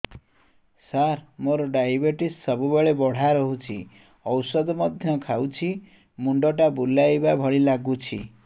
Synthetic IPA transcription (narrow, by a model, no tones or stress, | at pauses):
saɾmoɾɔɖajbeʈissɔbubeɭebɔɽ̤aɾɔɦut͡ʃʰi | ɔwsɔd̪ɔmɔd̪ʱjɔkʰawt͡ʃʰi | muɳɖɔʈabulajbabʱɔɭilaɡut͡ʃʰḭ